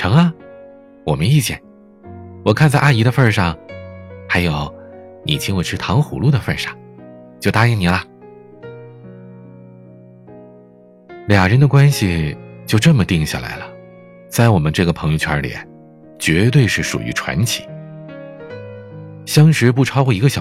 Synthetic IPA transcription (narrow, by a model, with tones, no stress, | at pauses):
ʈ͡ʂʰɤ˧˥ŋɐ˥˧ | wɔ̰˨˩mə˧˦ni˥˧t͡ɕjɛ̰˥˩n | wɔ˨˩kʰa˥˧nt͡sa˥˧ɪʔa˥˩i˧˥ɾə˧fə˥˧ʂɑ˥˩ŋxa˧˥ɪjo˨˧˩ʊnḭ˨˩t͡ɕʰi˥ŋwɔ˨˩ʈ͡ʂʰɻ̩˥˩t̪ʰɑ˧˥ŋxṵ˨˩lu˥˩d̪ə˩fə˥˧˩ʂɑ˥˩ŋt͡ɕjo˥˧ʊt̪a˥i˥˩ŋni˨˩lɐ˦ | ljɑ˨˩ŋɻə˧˥nd̪ə˧kwa˥nɕi˨t͡ɕjo˥˧ʊʈ͡ʂɤ˥˩nmə˩t̪i˥˧ŋɕja̰˥˩la̰˧˥ɪlə˨ | t͡sa˥˩ɪwɔ˨˩mə˦nʈ͡ʂɤ˥˩ɡə˩pʰɤ˧˥ŋjo˧ʊt͡ɕʰwa̰˧˥ljḭ˨˩˦n | t͡ɕɥɛ˧˥t̪̬we˥˧ɪʂɻ̩˥˩ʂṵ˨˩y̰˧˥ʈ͡ʂʰwa̰˧˥nt͡ɕʰi̥̰˨˩˦ | ɕjɑ˥ŋʂɻ̩˧˥pu˥˩ʈ͡ʂʰɑ˥ʊkwɔ˥˧i˧˥ɡə˧ɕjɑ˨˩